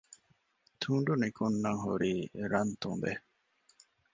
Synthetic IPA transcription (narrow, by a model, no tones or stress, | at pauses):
t̪ʰuːɳɖunikunːɐŋɦṵɾiːɾɐnt̪ṵmbe